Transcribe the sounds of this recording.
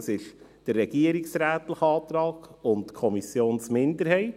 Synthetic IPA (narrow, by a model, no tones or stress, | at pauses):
sɪʃd̥əɾːɛɡ̥iəɾiksɾæːt̪ləχəɑːt̪ɾɑːɡ̥ʊntkʰɔmisjoːnsmɪndəɾɦɛɪt